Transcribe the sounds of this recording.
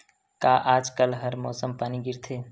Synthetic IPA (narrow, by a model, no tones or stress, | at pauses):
kaːʔaːd͡ʒkəlɦɐɾmɔːsəmpaːniɡɪɾt̪ʰeː